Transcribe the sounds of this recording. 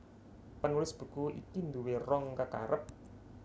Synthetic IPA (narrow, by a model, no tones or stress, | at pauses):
pənulɪsb̥ṳkuʔḭkind̪uwerɔŋkəka̰ɾʔəp̚